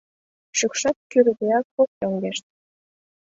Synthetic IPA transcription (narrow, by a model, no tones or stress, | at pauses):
ʃykʃɑt̪̚kyɾdeɑk̚ːok̚t̪oŋɡeʃt̪̚